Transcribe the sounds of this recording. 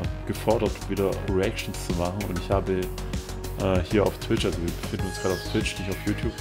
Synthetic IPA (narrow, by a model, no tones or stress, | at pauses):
ɡ̥əfɔɐɾɐtv̥iːɾɐʁiɛk̚tn̩st͡sumaχn̩ʊ̰ntɪçhaːbə | ʔɛːhiːɐa̰ʊftʰw̥ɪt͡ʃʔalzoviːɐbəfɪndn̩ʊnsɡ̥ʁ̥aːɾəaʊftv̥ɪt͡ʃnɪçtaʊfjuːtʰjuːp